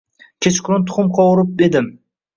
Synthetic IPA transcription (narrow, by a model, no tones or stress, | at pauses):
kʲʰet͡ʃkʲʰʊɾʊnt̪ʰʊ̥χʊmqʰɒwʊɾɪp̚d̪ed̪ɪm